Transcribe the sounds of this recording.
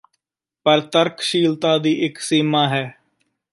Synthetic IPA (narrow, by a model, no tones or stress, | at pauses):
pəɾt̪əɾkʰʃiːlt̪aːd̪iːʔɪksiːmaːɦɛː